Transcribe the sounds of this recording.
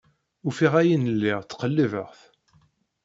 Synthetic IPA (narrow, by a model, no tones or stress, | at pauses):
ufiʁæjinəlːiʁt͡sːqəlːivəʁθ